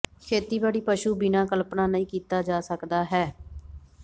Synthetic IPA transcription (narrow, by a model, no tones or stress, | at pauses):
kʰeːt̪iːbaːɽiːpəʃuːbɪnaːkəlpnaːnəĩːkiːt̪aːd͡ʒaːsəkd̪aːɦɛː